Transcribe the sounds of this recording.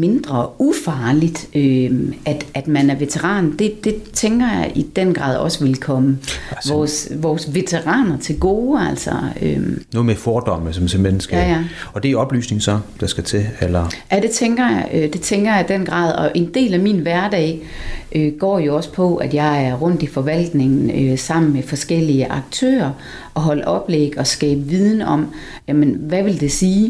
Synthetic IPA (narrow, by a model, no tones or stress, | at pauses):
me̝nd̥ʁɐʔufɑ̈ːlid̥øʔæd̥æd̥mænæɐʋe̝t͡sʰeʁɑ̰̈ːnd̥e̝d̥e̝t͡sʰeŋɡ̥ɐjɑ̈ɪʔid̥en̰ɡ̥ʁɑ̰ð̰ˠɒ̽səʋe̝lkʰɒ̽məʋɒːsʋɒːsʋe̝t͡sʰe̝ʁɑ̰̈ːnɐt͡sʰe̝lɡ̥o̝ːæl̰sɐø̰noɔːð̩ˠmefɒːd̥ɒm̰əsɒmsʰemenəsɡ̥æjæɒ̽d̥e̝ɒ̽b̥ly̰ːsne̝ŋ̩sɒd̥ɑ̈sɡ̥æt͡sʰe̝elɐjæd̥e̝t͡sʰeŋɡ̥ɐjɑ̈ɪød̥e̝t͡sʰeŋɡ̥ɐjɑ̈ɪd̥en̰ɡ̥ʁɑ̰̈ːð̰ˠɒ̽ʔe̝nd̥e̝̰ːlæminʋæɐd̥ɛ̰ɪʔøɡ̥ɒ̰ːjo̝ɒ̽spʰɒ̽ʔæd̥jɑ̈ɪæɐʁɔ̽n̰d̥ifɒ̽ʋæl̰d̥ne̝ŋn̩øsɑ̈m̰n̩mefɒ̽sɡ̥el̰iəʔɑ̈ɡ̥̚t͡sʰø̰ːɐ | ʔɒ̽ɦɒ̽lʔɒ̽b̥leɡ̥ɒ̽sɡ̥ɛ̰ːb̥ʋiðˠn̩ɒ̽m̰ | jæmenʋæʋe̝ld̥e̝siː